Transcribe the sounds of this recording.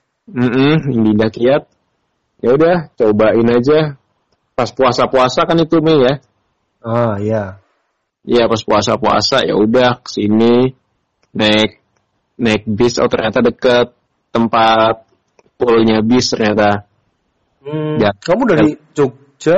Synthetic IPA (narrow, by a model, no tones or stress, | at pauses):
m̩m̩ndindahkiat̪̚ | jaudaht͡ʃobaɪnad͡ʒa | paspuasapuasakanit̪umeja | aja | japaspuasapua̰sa̰ja̰udahkə̥sini | naɪk̚ | naɪk̚bɪsa̰wt̪ərɲat̪adəkət̪̚ː | əmpat̪̚ | pulɲabɪst̪ərɲat̪a | jakamudaɾiit͡ʃok̚ | t͡ʃa